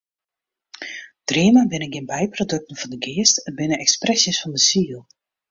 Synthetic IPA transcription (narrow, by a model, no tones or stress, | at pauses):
d̥riəmabɪnəɡɪnbɛjprodøk̚tən̩vɔndəɡɪəstənbɪnənɛksprɛsjəsfɔndəsiəlˠ